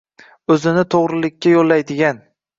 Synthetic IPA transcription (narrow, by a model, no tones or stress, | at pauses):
ɵzɪnɪt̪ʰoʁɾɪlɪkʲːajolːajd̪ɪɡʲan